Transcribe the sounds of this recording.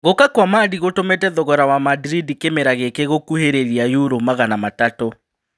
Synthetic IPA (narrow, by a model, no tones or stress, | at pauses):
ɣokakwamaːdiɣotomɛtɛðɔɣɔɾawamadɾidikemeɾaɣekeɣokuheɾeɾiajuɾomaɣanamatato